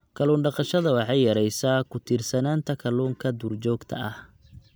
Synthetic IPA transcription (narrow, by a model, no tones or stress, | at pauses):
kʰɐluːnɖɑqɑʃɐðɐwɑħɑjːɐɾɛjsaːkʰʊt̪ʰiːrsɐnaːnt̪ʰɐkʰɐluːŋkʰɐd̪uːrt͡ʃɔːɡt̪ʰɐ̰ʔɐh